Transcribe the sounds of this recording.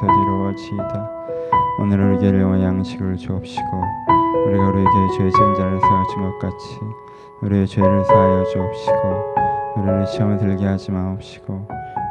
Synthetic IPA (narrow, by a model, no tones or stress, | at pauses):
ʌtuɾʌʌɕʰida | o̰nɯɾoɭɡejoŋʌjaŋɕʰiɡɯɭt͡ɕuʌp̚ɕ͈i̥ɡ̥ouɾiɡauɾieɡeet͡ɕet͡ɕaŋd͡ʑaɾɯɭsʰaaɕʰinɡʌt̚k͈at͡ɕʰi | uɾiet͡ɕweɾɯɭsʰaɦad͡ʑuʌp̚ɕ͈iɡouɾiɾeɕʰiʌmɯɭtɯɭɡeɦad͡ʑimanʌp̚ɕ͈i̥ɡ̥o